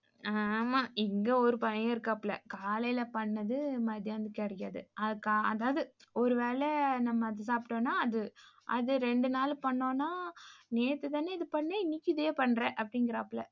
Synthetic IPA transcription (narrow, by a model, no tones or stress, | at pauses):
aːmaːɪŋɡɐɔɾɯpɐjɐjãːɪɾɯkːaːpːɭɐ̰kaːlɐjɪlɐpɐɳːɐðɯmɐðjaːnd̪ɯkːɐɽɐjaːðɯ̰ʔɐɯkaɐðaːʋðɯɔɾɯʋeːlɛnɐmːɐnd̪ɯs̬aːpɪʈõːnːaːɐðɯʔɐ̰ðɯɾɛɳɖɯnaːlɯpɐɳːõːnːaːneːt̪ːɯt̪aːneːɪðɯpɐɳːeɪnːɪkʲːɯðeːpɐɳːɾɛ̃ːʔɐpːɐɽɪŋɡɪɾaːpːɭɛ̰